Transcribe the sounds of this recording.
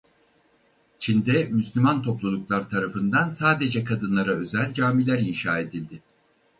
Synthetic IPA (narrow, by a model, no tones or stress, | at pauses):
t͡ʃʰind̪ɛmyslʲymant̪ʰo̞plˠulˠuklˠaɾt̪ʰaɾafɯnd̪ansaːd̪e̞d͡ʒɛkʰad̪ɯnlˠaɾaø̞zælʲd͡ʒaːmilʲæɾinʃaːe̞d̪ilʲd̪ɪ